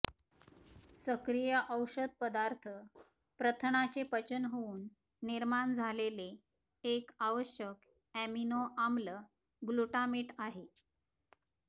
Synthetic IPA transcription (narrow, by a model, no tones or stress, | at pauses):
səkɾijəʔəwɕəd̪̚pəd̪aɾt̪ʰə | pɾət̪ʰəɳat͡ɕepət͡ɕənɦouːnː | iɾmaɳd͡zʱalele | ekaʋəɕjək | æminoʔamlə | ɡluʈamiːʈaɦe